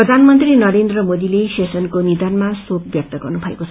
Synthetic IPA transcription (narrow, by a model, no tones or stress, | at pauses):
prʌd̪ʱanmʌnt̪rinʌɾend̪rʌmod̪ilesesʌnkonid̪anmasokbjʌk̚t̪ʌɡʌrnubʱʌḛkoʌ